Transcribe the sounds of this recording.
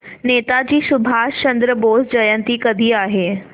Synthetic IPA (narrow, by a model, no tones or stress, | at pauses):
neːt̪ad͡ʑiːsʊbʱaːt͡ɕɐ̃nd̪ɾəboːsd͡ʑɐjə̃nt̪ikɐd̪ʱiaːɦeː